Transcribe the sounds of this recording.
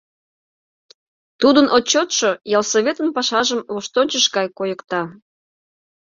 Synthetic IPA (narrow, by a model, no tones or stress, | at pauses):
t̪ud̪ənʔot͡ɕːot̪ʃojɑlˠsoβʲet̪ənpɑʃɑʒəmloʃt̪onʲt͡ɕəʃkɑjkojəkt̪ɑ